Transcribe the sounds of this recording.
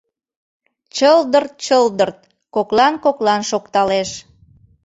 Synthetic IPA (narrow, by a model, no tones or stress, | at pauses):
t͡ɕəld̪ərt̪̚t͡ɕəld̪ərt̪̚ | koklɑnkoklɑnʃokt̪ɑleʃ